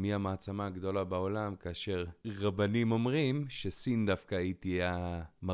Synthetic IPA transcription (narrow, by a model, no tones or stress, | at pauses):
miamaːt͡samaːɡd̪o̞labao̞lamkaːʃe̞ʁʁabanimo̞mʁimʃesind̪afkaːit̪iajama